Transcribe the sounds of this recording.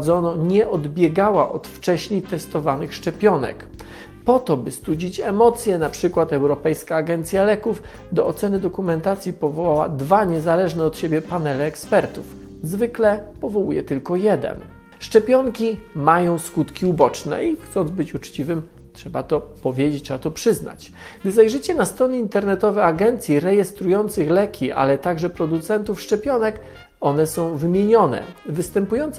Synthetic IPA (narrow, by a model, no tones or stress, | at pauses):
d̪zɔnɔɲɛʔɔd̪bʲjɛɡawaʔɔt̪ft͡ʂɛɕɲejt̪ɛst̪ɔvanɘxʂt͡ʂɛpʲjɔnɛ̰k | pɔt̪ɔbɘst̪ud͡ʑit͡ɕɛmɔt̪sʲjɛnapʂɘkwat̪ɛwɾɔpɛjskaːɡɛnt̪sʲjalɛkuf | d̪ɔɔt̪sɛnɘd̪ɔkumɛnt̪at̪sʲjipɔvɔwawa̰d̪vaɲɛzalɛʐnɛɔt̪ɕebʲjɛpanɛlɛːkspɛɾt̪uf | zvɘklɛpɔvɔwujɛ̰t̪ɘlkɔjɛd̪ɛ̰n | ʂt͡ʂɛpʲjɔŋkʲimajɔ̃w̃skut̪kʲiubɔt͡ʂnɛ̰ixt̪sɔnd̪bɘt͡ɕut͡ʂt͡ɕivɘm | tʂɛbat̪ɔpɔvʲjed͡ʑet͡ɕtʂɛbat̪ɔpʂɘzna̰t͡ɕ | ɡd̪ɘzajʐɘt͡ɕɛnast̪ɾɔnɘint̪ɛɾnɛt̪ɔvɛaɡɛnt̪sʲjiɾɛjɛst̪ɾujɔnt̪sɘxlɛkʲiʔa̰lɛt̪aɡʐɛpɾɔd̪ut̪sɛnt̪ufʂt͡ʂɛpʲjɔnɛk | ɔnɛsɔ̃w̃vɘmʲjeɲɔnɛ̰vɘst̪ɛmpujɔnt̪s